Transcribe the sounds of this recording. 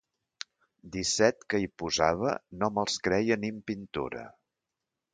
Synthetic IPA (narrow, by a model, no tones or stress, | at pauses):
d̪isɛt̪kəipuzaβ̞ə̰noməlˠskɾɛjənimpint̪ṵɾə̰